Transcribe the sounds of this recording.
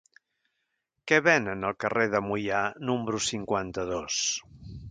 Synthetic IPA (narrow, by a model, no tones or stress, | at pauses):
kɛβɛnənəlˠkəreðəmujanumbɾusiŋkwant̪əðos